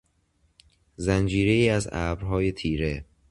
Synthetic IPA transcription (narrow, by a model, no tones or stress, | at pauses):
zænd͡ʒiːɾe̞iːæzæ̰ːbɾɦɒːje̞t̪ʰiːɾe̞